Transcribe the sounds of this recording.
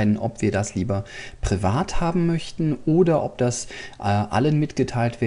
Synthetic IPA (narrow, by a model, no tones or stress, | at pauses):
ɪdn̩ʔɔpv̥iːɐdasliːbɐpʁ̥ivaːthaːbm̩mœçtn̩ʔoːdɐʔɔp̚d̥asʔʔa̰lənmɪtɡ̥ətʰaɪltv̥eː